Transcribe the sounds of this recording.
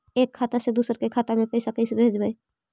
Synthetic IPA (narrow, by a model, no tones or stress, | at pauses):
eːkʰːaːt̪ased̪uːsəɾkekʰaːt̪amẽpəɪsakəɪsebʱeːd͡ʒbəi